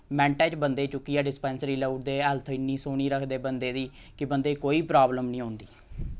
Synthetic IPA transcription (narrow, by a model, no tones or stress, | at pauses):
mɛ̃ːɳʈɛ̃ːt͡ʃbənd̪eːt͡ʃʊkːijaːɖɪspɛːnsɾiːlouːʈ̚d̪eːəlt̪ʰɪnːiːsoːɽ̃iːɾəkʰd̪eːbənd̪eːd̪iː | kɪbənd̪eːkoːiːpɾaːbləmnĩːɦõːnd̪iː